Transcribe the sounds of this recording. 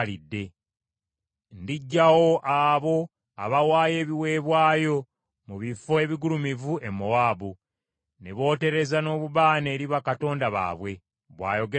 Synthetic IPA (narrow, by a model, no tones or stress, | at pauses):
lidːe̞ | ndiɟːawo̞ʔaβo̞ | aβawaːje̞ːβiwe̞ːβwaːjo̞ | muβifoe̞βiɡulumivuemːowaːbu | neβo̞ːte̞ɾe̞zano̞ːβuβaːne̞ːɾiβakato̞ːndaβa̰ːβwe̞ | βwa̰ːjo̞ɡe